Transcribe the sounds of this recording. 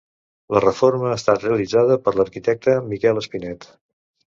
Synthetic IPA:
lərəforməaːst̪at̪reəlid͡zaðəpəɾləɾkit̪ɛk̚t̪əmikɛləspinɛt̪

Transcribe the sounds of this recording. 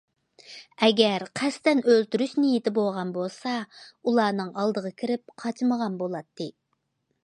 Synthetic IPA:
ɛɡʲɛɾqʰæst̪ɛnølt̪yɾyʃnɪjit̪ɪboʁɑnbolˠsɑulˠɑːnɨŋɑlˠd̪əʁɑkʲʰiɾɪp̚qʰɑt͡ʃʰməʁɑnbolˠɑt̪ʰːɨ

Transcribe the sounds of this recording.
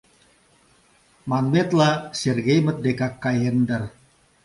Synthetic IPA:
manmɛt̪lasɛrɡejmət̪̚dekakːajɛndər

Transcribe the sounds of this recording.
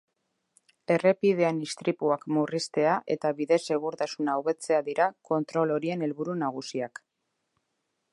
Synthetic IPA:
e̞re̞pið̞e̞anist̪ɾipuakmurist̪e̞aʔe̞̰t̪aβiðe̞se̞ɣ̞uɾt̪asunaːwβe̞t͡se̞aðiɾako̞nt̪ɾo̞lo̞ɾie̞ne̞lβuɾunaɣ̞usiak

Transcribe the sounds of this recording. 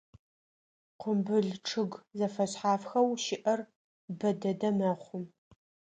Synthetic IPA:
qʷʊmbɨɮʈ͡ʂʰɨɡzɐfɐɕħaːfxɐwʃɪʔɐr | bɐdɐdɐmɐχʷʊm

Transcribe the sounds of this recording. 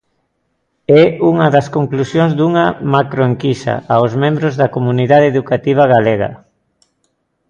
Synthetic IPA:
ɛuŋɐðɐskoŋklusjoŋzd̪uŋɐmakɾoeŋkisɐ̰aozmẽmbɾʊzðɐkomuniðaðeðukat̪iβ̞ɐɣaleɣɐ̰

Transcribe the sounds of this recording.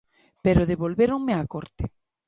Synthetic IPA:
peɾoðeβolβeɾoŋmeakoɾt̪ɪ

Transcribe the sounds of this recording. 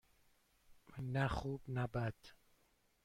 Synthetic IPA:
naχuːbnabad̪̥

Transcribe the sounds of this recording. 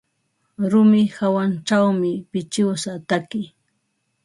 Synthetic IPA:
ɾʊmɪhawant͡ʃawmɪpɪt͡ʃɪwsat̪akɪ

